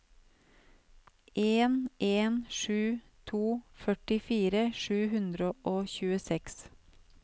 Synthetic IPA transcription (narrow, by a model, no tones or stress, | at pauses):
ʔeːnʔeːnʃʉː | t̪ʰuːfœʈɪfiːɾəʃʉːhʉnd̪ɾəʔoːçʉːəsɛks